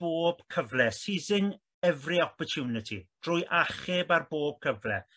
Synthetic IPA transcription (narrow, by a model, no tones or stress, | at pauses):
b̥oːb̥̚kʰəvlɛsizɪŋ | ɛvriɔpɔtʰjuːnɪtʰid̥rʊjʔaχɪbarboːb̥̚kʰəvlɛ